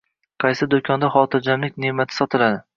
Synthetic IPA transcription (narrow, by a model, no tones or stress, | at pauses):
qʰɑjsɪd̪okʰɒnd̪aχɒt̪ʰɪɾd͡ʒamlɪkʲnemat̪ʰɪ̥sɒt̪ʰɪlad̪ɪ